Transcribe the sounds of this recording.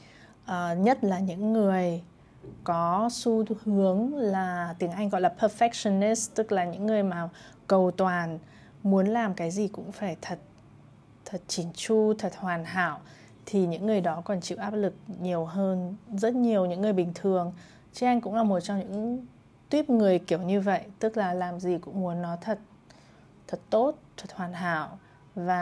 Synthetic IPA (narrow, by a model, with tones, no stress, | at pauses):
ʔəː˨˩ɲə˦˥t̚laː˨˩ɲɨ̰˧˥ŋːɨ˨˩əj | kɔ˨˦su˧hɨ˨˦əŋlaː˨˩t̪i˨˦əŋʔa˧jŋ̟ɣɔ̰˧˨jlaː˨˩pʰəː˧fɛ˦˥k̚sə˧ni˦˥st̪ɨ˦˥k̚laː˨˩ɲɨ̰˧˥ŋːɨ˨˩əjmaː˨˩ | kə˨˩wt̪waː˨˩n | mu˨˦ənlaː˨˩mkaː˨˦jzi˨˩kʊ̰˧˥ŋ͡mfaː˧˩jt̪ʰə˨˩t̚ | t̪ʰə˨˩t̚t͡ɕi˧˩nt͡ɕu˧t̪ʰə˨˩t̚hwaː˨˩nɦa̰ː˧˨w | t̪ʰi˨˩ɲɨ̰˧˥ŋːɨ˨˩əjɗɔ˨˦kɔ˨˩nt͡ɕḭ˧˨wʔaː˦˥p̚lɨ˨˩k̚ɲi˨˩əwɦəː˧nzə˦˥t̚ɲi˨˩əwɲɨ̰˧˥ŋːɨ˨˩əjɓï˨˩ŋ̟t̪ʰɨ˨˩əŋ | t͡ɕʔa˧jŋ̟kʊ̰˧˥ŋ͡mlaː˨˩mo˨˩t̚t͡ɕɔ˧ŋ͡mɲɨ̰˧˥ŋ | t̪wi˦˥əp̚ŋɨ˨˩əjki˧˩əwɲɨ˧və̰˧˨jt̪ɨ˦˥k̚laː˨˩laː˨˩mzi˨˩kʊ̰˧˥ŋ͡mmu˨˦ənːɔ˨˦t̪ʰə˨˩t̚ | t̪ʰə˨˩t̚t̪o˦˥t̚t̪ʰə˨˩t̚hwaː˨˩nɦa̰ː˧˨w | vaː˨˩